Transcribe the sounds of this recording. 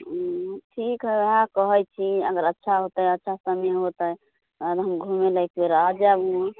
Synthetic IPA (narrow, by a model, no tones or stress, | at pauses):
ʈʰikɦəɦãkəɦəjt͡ʃʰiəɡəɾətːʃʰaɦot̪əjətːʃʰasəmeɦot̪əj | ad̪ɦəmɡʱumeləjkbeɾəɦd͡ʒabũ